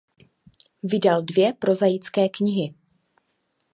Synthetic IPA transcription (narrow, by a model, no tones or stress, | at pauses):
vɪdaldvjɛpɾo̞zajɪt͡skɛːkɲɪɦɪ